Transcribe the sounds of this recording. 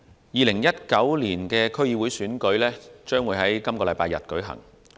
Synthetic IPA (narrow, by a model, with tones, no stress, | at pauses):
jiː˨˧lɪ˨˩ŋjɐ˥t̚kɐ˨˥wliː˨˩nkɛː˧kʰɵ˥ɥjiː˧wu˨˥jsyː˨˥nkɵ˨˥ɥlɛː˥t͡ʃœː˥ŋwu˨˥jhɐ˨˥jkɐ˥mkɔː˧lɐ˨˧jpaː˧jɐ̰˨t̚kɵ˨˥ɥɦɐ̰˨˩ŋ